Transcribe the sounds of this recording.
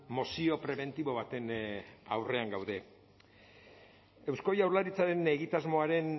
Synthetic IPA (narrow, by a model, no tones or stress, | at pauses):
mo̞sio̞pɾe̞βe̞nt̪iβo̞βat̪e̞na̰wre̞aŋɡawðe̞ | ewsko̞jawɾlaɾit͡saɾe̞ne̞ɣit̪azmo̞aɾe̞n